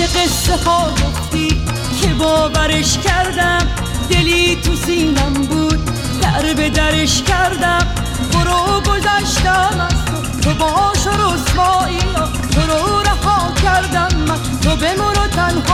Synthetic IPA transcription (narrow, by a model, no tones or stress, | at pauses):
eɣesːexɒːɡoft̪iː | kʰebɔːvæɾeʃcʲʰæɾd̪æm | d̪e̞liːt̪ʰusiːnæmbuːd̪̚ | d̪̥æɾbe̞d̪æɾeʃkæɾd̪æm | boɾoɡozæʃt̪æmæst̪o | t̪ʰobɒːʃoɾosbɔːin | t̪ʰoɾoɾæhɒːkʰʲæɾd̪æmːæ | t̪ʰobemoɾot̪ʰænh